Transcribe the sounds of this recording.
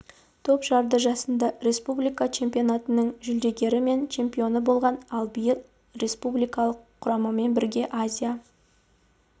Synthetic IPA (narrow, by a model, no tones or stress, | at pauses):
t̪ʰopʒɑɾd̪əʒɑsənd̪ɑɾe̞spublijkat͡ʃʰe̞mpʲijo̞nat̪ənəɴʒʏld̪e̞ɡʲe̞ɾɪme̞nt͡ʃʰe̞mpʲijo̞nəbo̞lˠʁɑnɑlˠbijɪlˠ | ɾe̞spublijkɑlˠəqʰːʊɾɑməme̞nbɪɾɡʲe̞ʔazʲija